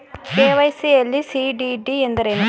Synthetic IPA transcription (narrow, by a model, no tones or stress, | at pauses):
keːʋɐjsielːisiɖiɖiend̪ɐɾenu